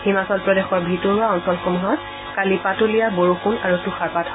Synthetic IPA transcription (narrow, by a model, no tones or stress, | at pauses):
himasɔl̚pɹɔdexɔɹbʱitɔɹuaɔnsɔlxumɦɔt | kalipatolijaboɹuxunaɹutuxaɹpat